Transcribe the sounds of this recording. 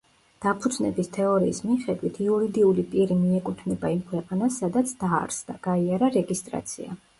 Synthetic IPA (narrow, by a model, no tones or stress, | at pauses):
d̪̥apʰud̪znɛ̰bist̪ʰɛɔɾiːsmiχɛd̪wit̪ʰiuɾid̪iulipʼiɾimiɛkʼut̪ʰnɛbaimkʰwɛqʼanasːad̪at̪sʰd̪̥aɾsd̪aɡ̥aiaɾaɾɛɡist̪ʼɾa̰t̪sʰḭa̰